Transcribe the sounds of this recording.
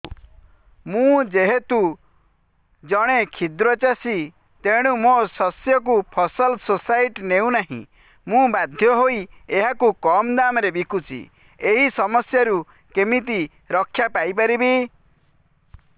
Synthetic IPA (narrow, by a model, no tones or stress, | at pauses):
mũd͡ʒeɦet̪u | d͡ʒɔɽ̃ekʰid̪ɾɔt͡ʃasi | t̪eɽ̃ũmosɔsjɔk̬upʰɔsɔlsosaiʈneũnaɦḭ̃ | mũbad̪ʱjɔɦoieɦakukɔmd̪amɔɾebikʰut͡ʃʰḭ | eɦisɔmɔsjaɾu | kemit̪i | ɾɔkʰːjapajp̬aɾibi